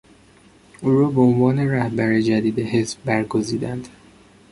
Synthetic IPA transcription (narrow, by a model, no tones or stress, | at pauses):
ʔuːɾɒːbeonvɒːne̞ɾæhbæɾed͡ʒæd̪iːd̪eɦezbːæɾɡoziːd̪ænd̪̥